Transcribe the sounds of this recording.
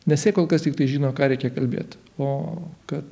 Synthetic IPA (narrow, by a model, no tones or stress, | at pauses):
nʲɛsʲɛɪkoːlˠkɐst̪ʲikt̪ɐɪʒʲiːnoːkɑːɾʲɛɪkʲɛkɐlʲbʲḛːt̪ | oːkɐt̪